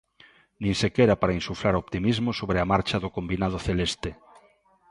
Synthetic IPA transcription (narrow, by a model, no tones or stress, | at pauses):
nĩŋsekeɾapaɾaĩnsufɾaɾopt̪imizmosoβɾeamaɾt͡ʃaðokombinað̞oθelest̪e